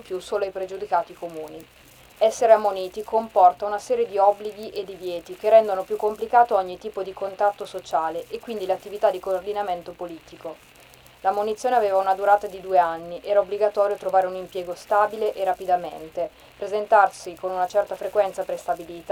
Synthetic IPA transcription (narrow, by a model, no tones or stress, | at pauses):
mpjusoːloajpɾed͡ʒud̪ikaːt̪ikomuːni | ɛsːeɾeamːoniːt̪ikompɔrt̪aunasɛːɾjed̪iɔbliɡiʔed̪ivjɛːt̪ik̟erːɛnd̪onopjukːomplikaːt̪oɔɲːit̪iːpod̪ikont̪ɾat̪ːosot͡ʃaːleʔekːwind̪ileat̪ːivit̪ad̪ːikoːrd̪inament̪opoliːt̪iko | lamonit̪sjoːneaveːvaunad̪uɾaːt̪ad̪id̪ueanːiʔɛːɾaobːliɡat̪ɔːɾjot̪ɾovaːɾeunimpjɛːɡost̪aːbileʔerapid̪amḛnt̪e | pɾezent̪arsikonunat͡ʃɛrt̪afɾekwɛnt̪sapɾest̪abiliːt̪